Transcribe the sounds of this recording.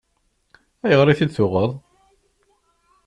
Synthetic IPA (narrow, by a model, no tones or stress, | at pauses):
æjəʁɾˤiθid̪θʊʁəðˤ